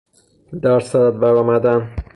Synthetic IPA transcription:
d̪æɾsæd̪æd̪̚bæɾɒːmæd̪æn

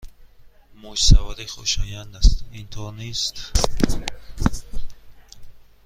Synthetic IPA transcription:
mud͡ʒsavad̪iχuʃɔjand̪ast̪int̪ʰɔnist̪

